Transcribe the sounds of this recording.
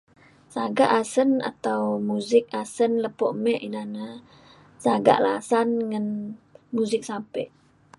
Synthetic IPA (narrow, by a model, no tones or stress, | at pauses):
saɡaʔasəna̰t̪awmuzɪk̚asənləpoʔmɛʔinana | saɡa̰ʔlasanŋənmuzɪk̚sampɛʔ